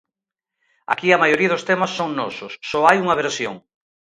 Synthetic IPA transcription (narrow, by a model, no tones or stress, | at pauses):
a̰kiɐmajoɾiɐðʊst̪emasːoŋnɔ̰sʊsːɔajuŋɐβeɾsjoŋ